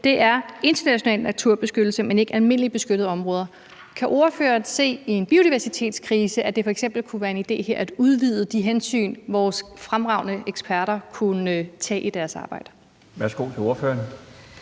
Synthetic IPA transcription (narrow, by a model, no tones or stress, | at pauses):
d̥e̝ʔæɐe̝nd̥ɐnæɕo̝nɛ̰ːlnæt͡sʰuɐ̰b̥e̝sɡ̥ød̥l̩səmene̝ɡ̥ælme̝n̰əlib̥e̝sɡ̥øɾəð̞̩ˠɒ̽mʁɔ̽ːð̞ˠɐ | kʰæʔo̝ɐfø̰ːɐnse̝̰ːie̝nb̥io̝ɾiʋæɐsit͡sʰe̝̰ːd̥skʰʁiːsəʔæd̥e̝fɒ̽eɡ̥sem̰b̥l̩kʰuʋæːɐe̝nid̥e̝̰ːɦe̝ɐ̰æd̥uð̞ˠʋið̞ˠəd̥iɦensy̰ːnʋɒːsfʁamʁɑ̈ʊ̰nəeɡ̥spʰæɐɾɐkʰunt͡sʰɛ̰ːʔid̥æɐsɑ̈ːb̥ɑ̈ɪ̰d̥ə | ʋæɐsɡ̥o̝̰t͡sʰe̝oɐføːɐn